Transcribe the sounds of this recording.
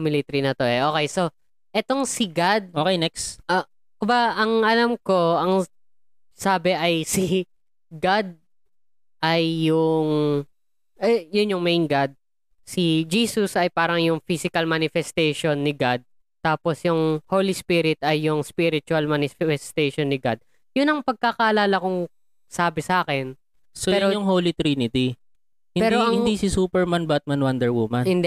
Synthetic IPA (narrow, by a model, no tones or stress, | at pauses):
mɪlɪt̪ɾinɐt̪o̞ʔɛʔoːkɛjso | ʔɛt̪o̞ŋsɪɡad̪̚okejnɛksʔɐ | kʊbaʔɐŋʔɐlamko̞ɐŋ | saːbɛʔɐjsi | ɡad̪̚ | ʔɐjːʊŋ | ʔɛjʊnjʊŋmejnɡad̪̚ | sid͡ʒiːsʊsʔɐjpaːɾɐŋjʊŋfisɪkɐlmanɪfɛst̪ɛjʃonːɪɡad̪̚ | t̪aːposjʊŋhoːlispiɾɪt̪ɐjːʊŋspiɾɪt͡ʃʊɐlmanɪfɛfɛst̪ɛjʃonːɪɡad̪̚ | jʊnɐŋpɐɡ̚kakɐʔɐlaːlɐkʊŋ | saːbɪsɐaːkɛn | soɛːjɾojʊŋɦoːlit̪ɾinɪt̪i | hɪpɛːɾoɐhɪnŋd̪isɪsuːpɛɹmanbat̪̚manwɐnd̪ɛɹwumanɪn